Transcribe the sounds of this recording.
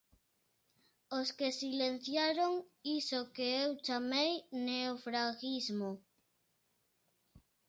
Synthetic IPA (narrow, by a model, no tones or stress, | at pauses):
oskesilen̟θjaɾoŋisokeewt͡ʃamejneofɾaɣizmo